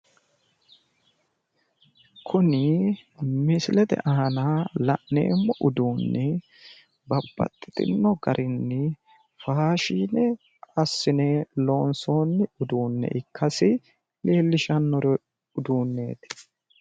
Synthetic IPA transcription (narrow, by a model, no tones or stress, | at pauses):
kʰʊnɪ | mɪsɪlɛt̪ɛ̰ʔɐɦɐnalɐʔne̞̰ːmːɔʔʊd̪uːnːɛ | bɐbːɐ̰t̪ʼːɪt̪ʼɪ̰nːɔɡɐɾʔɪnːɪ | faːʃiːnɛ | ɐsːɪnɛlo̞ːnso̞ːnːɪʊd̪uːnːɛ̰ʔɪkːɐsɪ | le̞ːlːɪʃɐnːɔɾɔ | ʊd̪uːnːe̞̰ːt̪